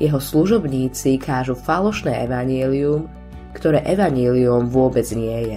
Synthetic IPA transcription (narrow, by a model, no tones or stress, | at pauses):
jɛɦɔsluʒɔbɲiːt͡sikʰaːʒufalɔʃnɛːʔɛʋaɲɪɛlium | kt̪ɔɾɛːʔɛʋaɲɛliumvʊɔbɛd͡zɲɪɛjɛ